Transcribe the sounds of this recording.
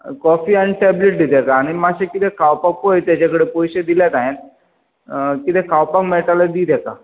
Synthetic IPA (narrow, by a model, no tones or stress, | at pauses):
kɔfianiʈɛbleʈ̚d̪it̪ɛkaːɽ̃imaɕekit̪ɛ̃kʰawpãk̚pojt̪jat͡ɕakəɽepojɕed̪ilat̪ajẽt̪ | kit̪ʰɛ̃kʰawpakmeʈalad̪it̪ɛka